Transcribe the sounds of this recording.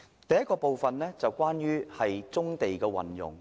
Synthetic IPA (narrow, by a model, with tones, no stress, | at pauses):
t̪ɐ˨jɐ˥tkɔː˧po˨wfɐ˨nlɛː˥t͡sɐ˨wkʷaː˥njyː˥hɐ˨jt͡sʊ˥ŋt̪e˨jkɛː˧wɐ̰˨njʊ̰˨˩ŋ